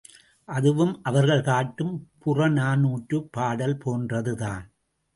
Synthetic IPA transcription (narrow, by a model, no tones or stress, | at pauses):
ʔɐðɯʋɯmʔɐʋɐɾɣɐɭkaːʈːɯmpʊrɐnaːnuːʈrɯpːaːɽɐlpʰoːndrɐðɯðaːn